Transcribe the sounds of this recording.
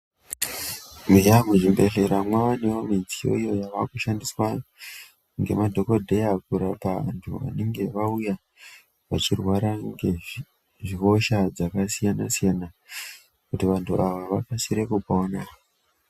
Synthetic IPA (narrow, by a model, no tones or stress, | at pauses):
miʒamuʐimbe̞ɬeɾamwaʋane̞ʋomid͡zijo̰ijo̞jaʋakuʃandiswa | ŋɡe̞̰madʱo̞ko̞dʱe̞jakuɾapaa̰ntʰṵʋa̰ne̞ŋɡe̞ʋauja | ʋa̰t͡ʃirwaɾaŋɡe | ʐiɦo̞ʃad͡zakasijanasijana | kutiʋantʰuʔaʋaʋakasiɾe̞kupaona